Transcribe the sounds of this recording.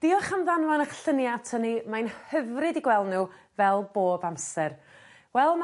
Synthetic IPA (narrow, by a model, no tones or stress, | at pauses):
d̥iɔχamðanvanaχɬənjatʰənimajnhəvrɨdiɡwɛlˠdnuː | vɛlˠboːbamsɛr | wɛlˠm